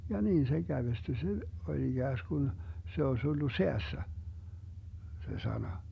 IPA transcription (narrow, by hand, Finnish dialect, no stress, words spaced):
jɑ niːn se ɡ̊æʋesty se olʲ iɡ̊æːsɡ̊un se osʲ olːu seæsːæ se sɑnɑ